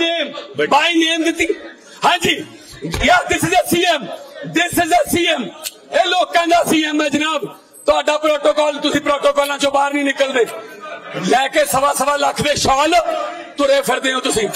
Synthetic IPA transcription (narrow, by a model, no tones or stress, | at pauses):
neːmbaːiːneːmd̪ɪt̪iː | hãːd͡ʒiː | jaːd̪ɪsɪd͡ʒsiːemd̪ɪsɪzeːsiːem | eːloːkːɛ̃ːnd̪aːsiːemːɛ̃ːd͡ʒənaːb | t̪aːɖaːpɾoːʈoːkɔːlt̪ʊsĩːpɾoːʈoːkɔːlãːt͡ʃõːbaːɾnĩːnɪkəld̪eː | lɛːkeːsəbaːsəʋaːləkʰd̪eːʃɔːlt̪ʊɾeːpʰəɾd̪eːõːt̪ʊsĩː